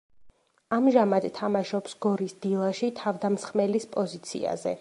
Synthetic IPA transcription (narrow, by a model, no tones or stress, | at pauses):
amʒamad̪t̪ʰːamaʃɔpsɡɔɾisd̪ilˠaʃit̪ʰavd̪amsχmɛlispʼɔzit̪sʰḭa̰zɛ̰